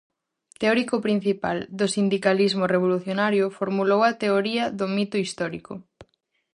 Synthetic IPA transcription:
t̪eɔɾikʊpɾin̟θipa̰ld̪osind̪ikalizmʊreβ̞oluθjonaɾjʊfoɾmulowɐt̪eoɾiɐðomit̪oist̪ɔɾikʊ̰

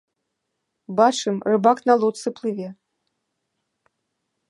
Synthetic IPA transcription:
bat͡ʂɨmrɨbaknalˠɔt̪sɨplˠɨvʲɛ

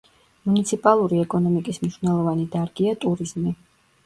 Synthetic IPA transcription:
munit̪sʰipʼalˠuɾiɛkʼɔnɔmikʼismniʃnɛlˠɔvanid̪aɾɡiat̪ʼuɾizmi

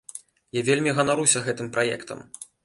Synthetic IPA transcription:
javʲelʲmʲiɣɐnaɾusʲɐɣɛt̪ɨmpɾajɛ̰kt̪ɐ̰m

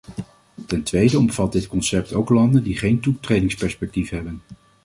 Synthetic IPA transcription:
tɛntʋejdəɔmv̥ɑt̚dɪtkɔnsɛp̚tʰowklɑndəndiχejntutrejdɪŋspɛɹspɛk̚tifɦɛbən

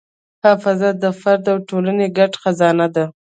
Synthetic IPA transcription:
hɑfazad̪əfaɾd̪awʈolaneɡaʈxazɑnad̪a

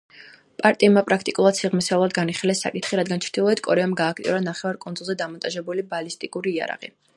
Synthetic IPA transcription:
pʼaɾt̪ʼimapʼɾakʰt̪ʼikʼulˠad̪̥siʁmisaulˠad̪ɡaniχilɛsːa̰kʼit̪ʰχiɾad̪ɡant͡ʃʰɾd̪̥ilˠɔɛt̪kʼɔɾɛamɡaːkʰt̪ʼḭɔɾanaχɛvaɾkʼund̪zulˠzɛd̪amɔnt̪ʼaʒɛbulibalist̪ʼikʼuɾiːa̰ɾa̰ʁḭ

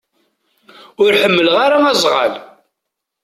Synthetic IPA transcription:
ʊɾħəmːəlʁaɾaæzˤʁə̰l

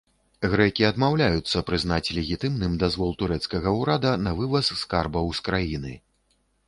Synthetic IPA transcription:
ɣɾɛkʲiɐd̪mawlʲajut̪sːɐpɾɨznat͡sʲlʲɛɣʲit̪ɨmnɨmd̪azvɔlˠt̪uɾɛt̪skɐɣɐuɾad̪ɐnɐvɨvɐsːkarbɐwskɾajinɨ̰

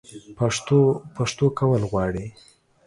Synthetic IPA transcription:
paopaʂt̪okawəlɣwɑɽi

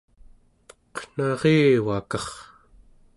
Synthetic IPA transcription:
qn̥ɑʁeːwakɑχ

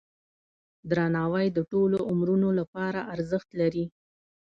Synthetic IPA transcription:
d̪ɾanɑwəjd̪əʈoloʔʊmɾunolapɑɾaʔaɾzəxt̪laɾi

